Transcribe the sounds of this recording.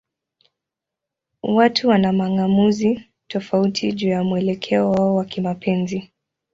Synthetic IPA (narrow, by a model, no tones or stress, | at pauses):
watʰuwanamaŋamuzi | tɔfautʰiʄuːjamuɛlɛkʰɛɔwaɔwakimapʰɛnzi